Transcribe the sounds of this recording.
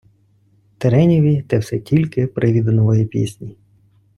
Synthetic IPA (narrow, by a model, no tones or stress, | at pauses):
t̪eɾɛnʲiʋʲit̪ɛwsɛtʲʰilʲkɪpɾʔɪʋʲid̪nɔʋɔjipʲḭsʲnʲi